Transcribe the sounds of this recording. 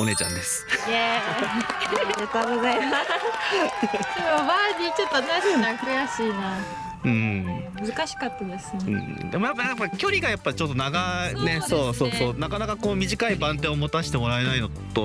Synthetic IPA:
one̞ːt͡ɕã̰nd̪e̞sɨ̥e | ɾet̪aɡozaima | soobaɲit͡ɕot̪ːoat̪aakɯjaɕiːna | ɯ̟̃ːmɯ̟zɨkaɕi̥kat̪ːad̪e̞sɨneɯ̟̰̃ːd̪e̞mo̞japːajapːakʲo̞ɾʲiɡajapːat͡ɕo̞t̪ːo̞naɡaneso̞ːso̞ːso̞ːnakanakakoːmʲiʑikaibãnt̪ẽomot̪aɕi̥t̪e̞mo̞ɾae̞naino̞ | t̪o

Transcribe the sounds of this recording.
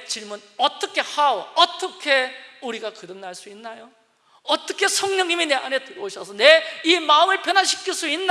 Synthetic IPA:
t͡ɕiɭmun | ʌt͈ʌkʰe̞hawʌʌt͈ʌkʰe̞uɾiɡakɯdɯŋnaɭs͈uinːajo | ʌt͈ʌkʰe̞sʰʌŋɲʌŋimine̞anetɯɾʌoɕʰʌsʰʌneimaɯmɯɭpjʌnaɕʰi̥kʰiɭs͈uinː

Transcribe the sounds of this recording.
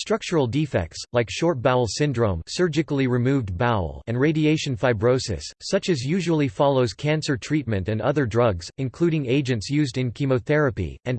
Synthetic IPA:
stɹ̥ʌk̚t͡ʃə˞l̩ˠdifɛ̰k̚tslaɪkʃɔɹt̚b̥aʊl̩ˠsɪ̃ndɹõʊ̃msɜ˞d͡ʒɨkl̩ˠiɹɨmuvdbaʊlˠɨ̃nɹeɪɾieɪʃɨ̃n̩faɪbɹoʊsɨ̰sːʌt͡ʃɨzjʉʒəwl̩ˠifɑlˠoʊz̥kʰæ̃nsə˞tʰɹ̥it̚mɨ̃ntɨ̃nʌ̰ðə˞dɹʌɡz̥ɨ̃nkʰl̥uɾɪ̃ŋeɪd͡ʒɨ̃ntsjʉzdɨ̃nkʰimoʊθɛɹɨpḭɨ̃n

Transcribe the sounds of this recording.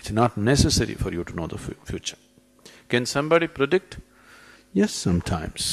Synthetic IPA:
ɪtsnaʈnɛsəsɛɾḭfɔɾjuʈunoːd̪əffjuːt͡ʃəɾ | kɛ̃nsʌ̃mbɑɖipɾəɖɪk̚ʈ | jɛsːʌ̃mʈʰãɪ̃ms

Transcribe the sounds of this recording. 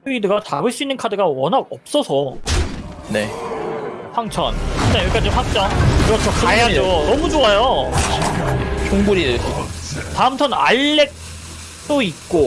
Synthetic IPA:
uidɯɡatabɯɭs͈uinːɯnkʰadɯɡawʌnɦaɡʌp̚s͈ʌsʰʌ | ne̞̰ | ɸwaŋt͡ɕʰʌ̰nɯnajeɭk͈ad͡ʑoɸwak̚t͡ɕ͈ʌŋkɯɾʌt͡ɕʰot͡ɕ͈ʰaad͡ʑonʌmud͡ʑoajo | koŋɡuɾidɯɭsʰʌotaɯmt͡ɕʰʌna̰ɭːe̞k̚ | t͈oit̚k͈o

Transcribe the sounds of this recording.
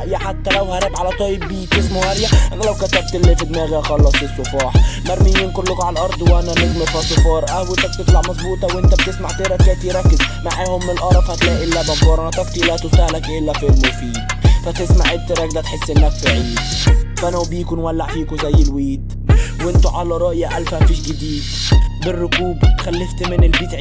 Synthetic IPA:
jaħat̪ːælæwhæɾˤæbʕalæt̪ˤɑjɪbːiːt̪ɪsmuhæɾjæʔænælæwkæt̪æb̚t̪lːɪfɪd̪mæːɣæxɑlːɑsˤisˤːʊfɑːħmæɾˤmijinkʊɾlːʊkʕalʔɑɾˤd̪ˤwʔænænɪzmɪɾfɑsˤʊfɑːɾˤʔæwɪt̪æk̚t̪ɪt̪laʕmɑzˤbuːt̪ˤɑwʔɪnt̪æb̚t̪ɪsmaʕt̪eɾæt̪æːt̪iɾˤɑkːɪzmaʕeːhʊmːɪnɪlʔɑɾˤɑfhat̪laʔɪlːabɑmbɑːɾˤɑnt̪ˤɑfk̪ilat̪ʊsaːhlakʔɪlːafɪlmʊfiːd̪fat̪ɪsmaʕʔɪd̪̚t̪iɾˤɑk̚d̪at̪ħɪsːʔɪnːakfiʕiːd̪fʔanawbjɪkunwalːaʕfiːkʊzajːɪlwiːd̪ | wʔɪnt̪ʊʕalɑɾˤɑʔjaʔalfafiːʃɡɪd̪iːd̪ | bɪrːʊkuːbxalːɪft̪mɪnɪlbɪt̪ʕi

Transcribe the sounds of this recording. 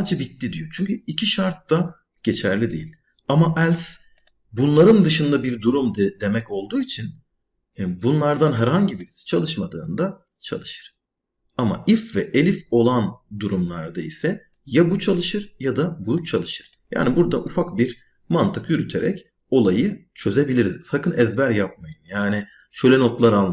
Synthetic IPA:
sad͡ʒɛbit̪ːid̪ijo̞t͡ʃʰyɲcyicʰiʃaɾt̪ːa | ɟ̥e̞t͡ʃʰæɾlʲid̪ijilʲ | amaʔælʲs | bunlˠaɾɯnd̪ɯʃɯnd̪abiɾd̪uɾumd̪d̪e̞mɛco̞lˠd̪uːit͡ʃʰin | anbunlˠaɾd̪anɦæɾɦaɲɟibist͡ʃʰalˠɯʃmad̪ɯːnd̪a | t͡ʃʰa̰lˠɯʃɯ̥ɾ̥ | ama̰ʔifvɛʔelʲifo̞lˠand̪uɾumlˠaɾd̪aisɛjabut͡ʃʰalˠɯʃɯɾjad̪abujuk̚t͡ʃʰalˠɯʃɯɾ̥ja̰ːnibuɾd̪aʔufakbiɾ | mant̪ʰɯkjyɾyt̪ʰe̞ɾɛ̰c | o̞lˠajɯt͡ʃʰø̞ze̞bilʲiɾizsakʰɯnɛzbæɾjap̚majɯnjaːnɪ | ʃø̞jlʲɛno̞t̪lˠaɾalˠ

